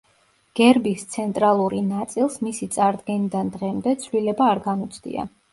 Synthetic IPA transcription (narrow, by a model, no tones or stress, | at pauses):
ɡ̥ɛɾbist̪sʰɛnt̪ʼɾalˠuɾinat̪sʼilˠsmisit̪sʼaɾd̪ɡɛnid̪and̪ʁɛmd̪ɛt̪sʰvlilɛbaːɾɡamɔt̪sʰd̪ḭa̰